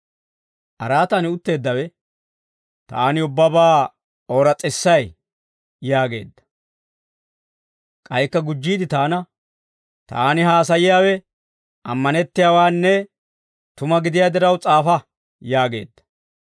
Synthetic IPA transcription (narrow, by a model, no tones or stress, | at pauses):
ʔɐɾaːt̪ɐnɪʊt̪ːe̞ːd̪ːɐwɛ | t̪aːnɪʊbːɐbaː | oːɾɐt͡sʼːɪsːɐj | jaːɡe̞ːd̪ːɐ̥ | kʼɐjkːɐɡʊd͡ʒːiːd̪ɪt̪aːnɐ | t̪a̰ːnɪɦaːs̬ɐjɪjaːwɛ | ɐmːɐnɛt̪ːɪjaːwaːnːɛ | t̪ʊmɐɡɪd̪ɪjaːd̪ɛɾɐwt͡sʼaːfɐ | jaːɡe̞̰ːd̪ːɐ̥